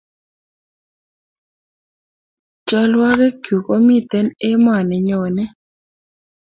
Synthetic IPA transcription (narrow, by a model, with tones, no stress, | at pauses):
t͡ʃɔ˦lwa˦kɛ˦kju˨ko˦mi˦˨t̪ɛ˦ne˦m˦a˨nɛ˨ɲo˨nɛ˦